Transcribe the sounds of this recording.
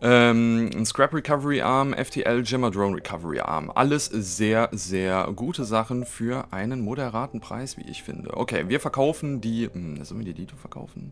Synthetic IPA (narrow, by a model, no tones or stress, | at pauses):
ʔɛːmskʁ̥ɛpʁikʰavəʁiʔaɐmʔɛ̰ftʰeːʔɛld͡ʒɛmadʁoːnʁikʰavəʁḭʔa̰ɐmʔa̰ləszeːɐzeːɐɡuːtʰəzaχn̩fyːɐʔaɪnənmoɾɛʁaːtn̩pʁ̥a̰ɪsv̥ḭːʔɪ̰çfɪ̰ndə̰ʔo̰kʰḛːviːɐfɛɐkʰaʊfn̩diːm̩nazɔlmiːɐdiːdiːtʰofɛɐkʰa̰ʊfn̩